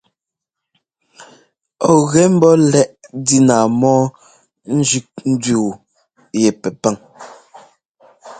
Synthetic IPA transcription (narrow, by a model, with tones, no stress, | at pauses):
ɔ˦˨ɣɛ˨˦m̩˦bɔ˦lɛ˦ʔdi˦naː˨mɔː˦ | n̩˦d͡ʒʉ˦k̚n̩˦dɥu˦˨ | jɛ˨pɛ˨pa˦ŋ